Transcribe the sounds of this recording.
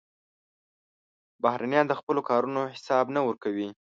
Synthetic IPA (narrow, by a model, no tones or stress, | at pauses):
bahɾʔanjɑnd̪əxpəlokɑɾunohɪsɑbnawəɾkawi